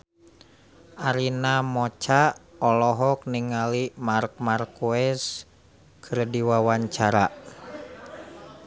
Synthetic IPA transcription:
ʔaɾinamɔt͡ʃaɔlɔɦɔk̚niŋalimark̚markuɛs | kʰərdiwawaɲt͡ʃaɾa

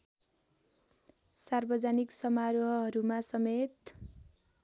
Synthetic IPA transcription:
sarbʌd͡zaniksʌmaɾoɦʌɦʌɾumasʌmet̪

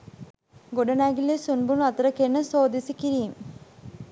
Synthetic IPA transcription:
ɡoɽɐnaːɡilesunbumɐt̪rɐkːenːɐsoːd̪isikʲːiɾijum

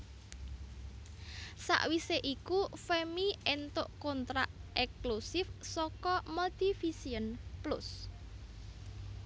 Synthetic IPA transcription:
sa̰ʔwiseʔikufemiʔent̪ʊʔkɔnt̪ɾaʔʔɛklusɪfsɔkɔmɔlt̪ifisiənplʊ̰s

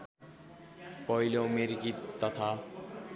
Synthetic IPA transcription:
pɔjlomeɾɡit̪ːat̪ʰa

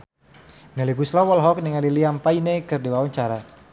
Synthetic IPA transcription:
mɛliɡuslɔwɔlɦɔk̚niŋaliliampainekɨrdiwawaɲt͡ʃaɾa

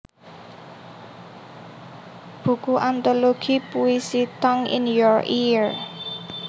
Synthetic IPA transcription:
b̥ṳkuʔant̪oloɡ̥i̤puisit̪ɔŋɪ̰njɔɹiɹ

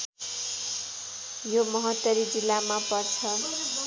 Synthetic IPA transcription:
jomʌɦʌt̪ːʌɾid͡zilːamapʌrt͡sʰʌ

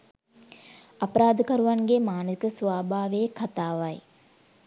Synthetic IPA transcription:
apəɾaːd̪əkɐɾuʋaŋɡemaːnəik̪əsʋaːbʱaːʋeekʰat̪aːʋaj

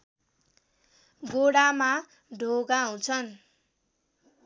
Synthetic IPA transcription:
ɡoɽama | ɖʱoɡaɦũt͡sʰʌn

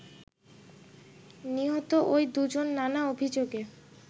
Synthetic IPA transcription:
niɦɔt̪oʔojd̪ud͡ʑonːanaobʱid͡ʑoɡe

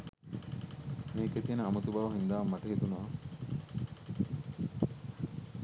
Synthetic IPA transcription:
miːket̪iːnɐɐmut̪ubɐʋɐɦind̪aːʋmːɐʈeɦit̪unɐʋɐ

